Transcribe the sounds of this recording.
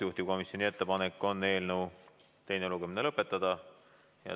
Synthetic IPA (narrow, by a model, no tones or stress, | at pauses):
juht̪i̥ko̞misjo̞nie̞t̪ːe̞pɑnekːˑo̞nːe̞ːlnəw | t̪e̞jneluɡ̥emine̞lɤpːe̞t̪ːˑɑd̪̥ɑ | jɑ̰